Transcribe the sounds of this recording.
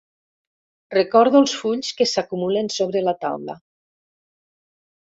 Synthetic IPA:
rekɔɾðuəlˠsfuʎskesakumulensoβ̞ɾelat̪a̰wlə̰

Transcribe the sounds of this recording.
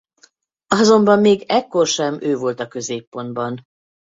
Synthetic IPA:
ɒzo̞mbɒmːeːɡɛkːorʃɛmøːvo̞lt̪ɒkø̞zeːpːo̞nd̪̚bɒn

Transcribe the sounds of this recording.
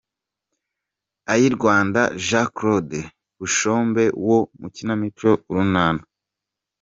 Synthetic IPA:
ajiɾɡwaːndaʒakɾode | βuʃoːmbe̞womucinamit͡ʃo̞uɾunaːna

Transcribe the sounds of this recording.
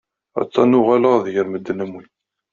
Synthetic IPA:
æ̰t͡sːɑnʊʁaləʁðjəɾməd̪ːnəmwin

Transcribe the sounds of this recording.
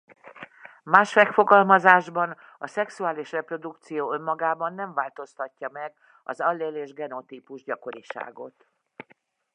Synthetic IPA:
maːʃmɛkfo̞ɡɒlmɒzaːʒbɒn | ɒsɛksuaːliʃrɛpro̞d̪ukt̪sijoːø̞mːɒɡaːbɒnːɛɱvaːlt̪o̞st̪ɒcːɒmɛɡ | ɒ̰zɒlːeːleːʒɡɛno̞t̪iːpuʒɟɒko̞ɾiʃa̰ːɡo̞̰t̪

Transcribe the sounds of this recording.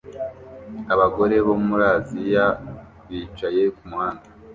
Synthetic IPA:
aβaɡo̞ɾe̞βo̞muɾaːzija | βiːt͡ʃaje̞kumuhaːnda

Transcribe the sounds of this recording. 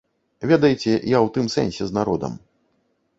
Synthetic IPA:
vʲɛd̪ɐjt͡sʲɛjawt̪ɨmsɛ̰nʲsʲɛznaɾɔd̪ɐ̰m

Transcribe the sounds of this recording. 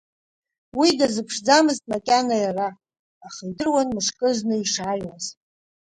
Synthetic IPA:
widazɨpʰʂd͡zamɨztʼmakʲʼanajaraː | χaidɨrwanmɨʂkʼɨznɨiʂajwaz

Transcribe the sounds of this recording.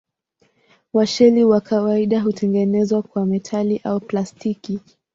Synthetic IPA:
waʃɛliwakʰawaiɗaɦutʰɛŋɡɛnɛzwakwamɛtʰaliʔauplastiki

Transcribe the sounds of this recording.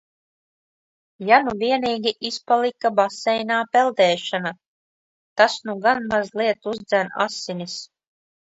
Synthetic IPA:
januviɛniːɡʲiʔispalˠikabasɛjnaːpɛlˠd̪ɛːʃana | t̪asnuɡanmazlˠiɛt̪uzd̪zæna̰sːinis

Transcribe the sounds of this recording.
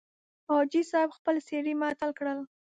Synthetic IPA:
ɑd͡ʒisɑɪbxpəlseɽimɑt̪əlkɽəl

